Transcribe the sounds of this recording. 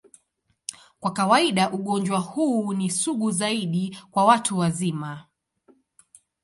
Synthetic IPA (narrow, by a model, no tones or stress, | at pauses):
kwakawaiɗaʔuɠɔnd͡ʒwahuːnisuɠuzaiɗikwawatʰuwazima